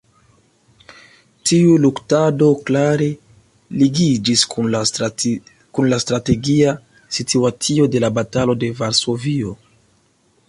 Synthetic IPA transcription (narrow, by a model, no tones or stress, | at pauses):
tiuluktado̞klaɾe̞ | liɡid͡ʒis | kunlastɾate̞ɡia | sitʰuat͡sio̞de̞labatalo̞de̞vaɾso̞vio̞